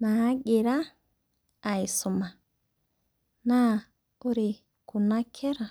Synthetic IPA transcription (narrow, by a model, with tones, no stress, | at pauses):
na˨a˦ɡe˨ɾa˦˨ | i˨su˨ma˨ | na˦˨ | o˦ɾi˨ | ku˨na˦kʰɛ˦ɾa˨